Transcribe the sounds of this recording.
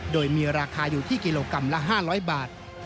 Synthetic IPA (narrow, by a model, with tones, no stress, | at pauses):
doː˧jmiː˧ɾaː˧kʰaː˧juː˨˩t̪ʰiː˥˩ki˧loː˧ka˧mla˦˥ɦaː˥˩ɾɔː˦˥jbaː˨˩t̪̚